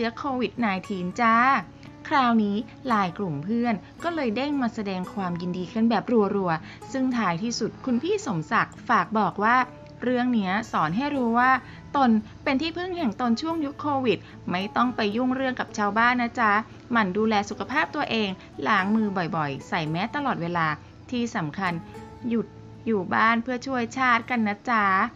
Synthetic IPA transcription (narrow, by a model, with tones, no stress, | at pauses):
t͡ɕɯ˦˥ɐkʰoː˧wi˨˩t̪̚naː˧jt̪ʰiː˧˥nt͡ɕa˦˥ | kʰɾaː˧wniː˦˥ | laː˧jklu˨˩mpʰɯ˥˩ənkɔː˥˩lɤː˧jde˥˩ŋmaː˧sa˧dɛː˧ŋkʰwaː˧mji˧ndiː˧kʰɯ˥˩˨nbɛː˨˩p̚ɾu˧ɐɾu˧ɐ | sɯ˥˩ŋt̪ʰaː˧˥jt̪ʰiː˥˩su˨˩t̪̚kʰu˧npʰiː˥˩so˩˦msa˨˩k̚faː˨˩k̚bɔː˨˩k̚waː˥˩ | ɾɯ˥˩əŋni˦˥ɐsɔː˩˦nɦa˥˩jɾuː˦˥waː˥˩ | t̪o˧n | pe˧nt̪ʰiː˥˩pʰɯ˥˩ŋhɛ˨˩ŋt̪o˧nt͡ɕʰu˥˩əŋju˦˥kʰːoː˧wi˨˩t̪̚ | ma˥˩jt̪ɔ˥˩ŋpa˧jːu˥˩ŋɾɯ˥˩əŋka˨˩p̚t͡ɕʰaː˧wbaː˥˩nːa˦˥t͡ɕʰa˦˥ | ma˧˩nduː˧lɛː˧su˨˩kʰa˧pʰaː˥˩p̚t̪u˧ɐʔeː˧ŋ | laː˩˦ŋmɯː˧bɔ˨˩jbɔ˨˩jsa˨˩jmɛː˦˥t̪ːa˧lɔː˨˩weː˧laː˧ | t̪ʰiː˥˩sa˩˦mkʰa˧n | ju˨˩t̪̚ | juː˨˩baː˥˩npʰɯ˥˩ɐt͡ɕʰu˥˩əjt͡ɕʰaː˥˩t̪̚ka˧nːa˦˥t͡ɕʰa˦˥